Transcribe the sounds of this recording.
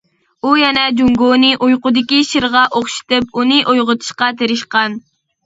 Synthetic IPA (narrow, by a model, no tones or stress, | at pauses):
ujɛnɛd͡ʒuŋɡonɨʔujqʊd̪ɪkʲiʃiɾʁɑʔoχʃi̥t̪ɨpunɨʔojʁʊt̪ʰɨ̥ʃqɑt̪ʰeɾɪʃqɑn